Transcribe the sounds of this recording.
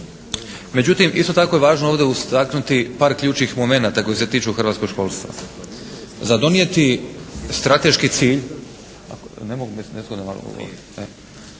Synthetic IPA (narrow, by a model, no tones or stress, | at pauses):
me̞d͡ʒut̪imʔḭso̞t̪ako̞jeʋaːʒnooːʋd̪e̞ust̪aknut̪ipaːɾkʎʲuːt͡ʃnixmo̞me̞naːt̪ako̞jse̞t̪iːt͡ʃuxr̩ʋat̪ko̞ɡʃko̞ːlˠst̪ʋa̰ | zad̪o̞nije̞t̪ist̪ɾat̪e̞ʃkit̪siːʎ | a̰knemoɡumesneskod̪ama̰lo̰ɡo̰ɡo̰ɾit̪e